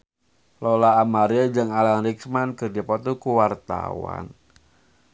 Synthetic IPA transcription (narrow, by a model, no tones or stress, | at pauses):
lɔlaːmaɾiad͡ʒəŋalanriksmankɨrdipɔt̪ukuwart̪a̰wa̰n